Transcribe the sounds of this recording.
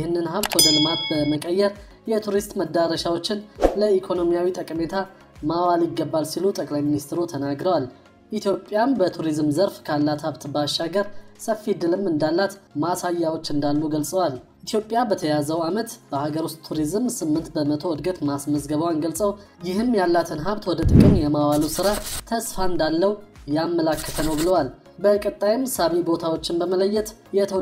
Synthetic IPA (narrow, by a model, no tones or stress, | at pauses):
jhɨnːɨnɦaβt̪wɔd̪əlɨmat̪bəməkʼəjːɛɾ | jɛt̪ʰuɾist̪ʼməd̪aɾəʃawo̞t͡ʃːɪnləikʰo̞no̞mijawit̪ʼəkʼme̞t̪ʰa | mawalɪɡːəbːalsilut̪ʼəkʼlajminist̪ʰɾut̪ʰənaɡɾəwal | ʔit̪ʰjo̞pʼːjambət̪ʰuɾizmzəɾfkʰalːat̪haβt̪baʃːaɡəɾsəfid̪ɨlɨmɨnd̪alːat̪masajːawo̞t͡ʃːɨnd̪alːuɡəlsʼəwalʔit̪ʰjo̞pʼjabət̪ʰəjazəwamət̪b̥əhaɡəɾwust̪t̪ʰːuɾizmsɨmːɨnt̪bəmət̪ʰo̞ɔd̪ɡət̪masməzɡəβəwanɡəlsʼəw | jɪɦɨmːjalːat̪ʰɨnɦaβt̪wɔd̪ət̪ʼɨkʼəɲjɛmawalusɨɾat̪ʰəsfaɨnd̪alːəwjamːəlakːət̪ʰənəwbɨləwal | bəkʼət̪ʼːajɪmsaβibo̞t̪ʰawo̞t͡ʃːɪnbəmələjːɛt̪jɛt̪ʰə